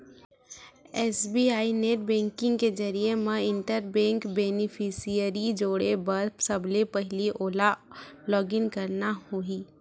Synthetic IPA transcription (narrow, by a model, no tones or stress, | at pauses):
ɛːsbiaːineːʈ̚bɛ̃ːŋkɪ̃ŋɡked͡ʒəɾiemãɪ̃ɳʈəɾbɛ̃ːŋkbeːnɪpʰisijəɾid͡ʒoːɽebɐɾpsəblepəɦliʔoːlalɔːɡɪnkəɾnahoiː